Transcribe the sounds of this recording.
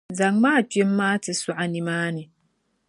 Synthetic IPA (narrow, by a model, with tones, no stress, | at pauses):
za˨ŋmaː˦˨tɥe˦mː˦aː˦tɪ˨su˦ʔa˨ni˨maː˦nɪ˨